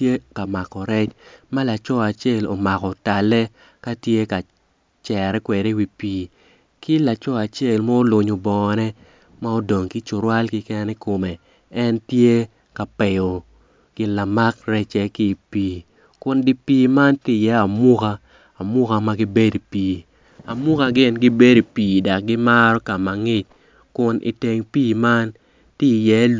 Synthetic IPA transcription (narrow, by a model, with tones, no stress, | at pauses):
e˦ka˨ma˨kɔ˨ɾɛ˦t͡ʃma˦la˨t͡ʃɔ˦a˨t͡ʃe˦˨lo̰˨ma˨kɔ˨ta˨lɛ˦ | ka˦tje˦ka˨ | t͡ʃɛ˨ɾɛ˦kwɛ˨de˦wi˨piː˦ | kɪ˦la˨t͡ʃɔ˦a˨t͡ʃe˦˨lmɔ˦o˦lʊ˨ɲo˨bɔ˨nɛ˦ | ma˦o˦do˨ŋki˦t͡ʃʊ˨ɾwa˦lkɪ˦kɛ˦nɛ˦ko˨mɛ˨ | ɛ˦ntje˦ | ka˨pe˨jo˨ | ɡ̥ɪ˨nla˨ma˦kɾɛ˦t͡ʃɛ˨kɪ˦˨piː˦ | kʊ˨nɡɪ˦piː˦ma˦ntɪ˦˨jɛ˨˦a˨mʊ˦kaː˦˨ | mʊ˦ka˦ma˦ɡi˦be˦di˨piː˨ | a˨mu˦ka˦ɡɪ˦nɡɪ˦be˦di˨piː˨da˨k̚ɡɪ˦ma˦ɾɔ˦ka˨ma˨ŋɪ˦t͡ʃ | kʊ˨nʔḭ˨te˨ŋpiː˦ma˦n | ti˦˨jɛ˨˦l